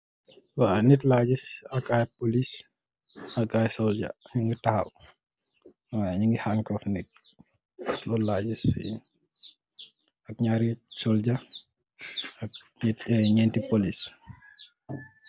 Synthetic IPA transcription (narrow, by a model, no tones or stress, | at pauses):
wanɛtlaːɟisakajpolis | akajsɔld͡ʒa̰ɲiŋɡitahaw | wajaɲiŋɡihaŋkɔfnɛk̚ | lɔlaːɟis | ɐk̚ɲaɾisɔld͡ʒa | ak̚ɲɛtːɲɛntipolis